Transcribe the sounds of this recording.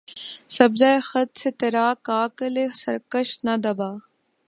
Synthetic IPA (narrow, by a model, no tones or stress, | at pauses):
sɐbzaːexɐt̪̚set̪ɐɾaːkaːkəlesɐɾkəʃnɐd̪ɐbaː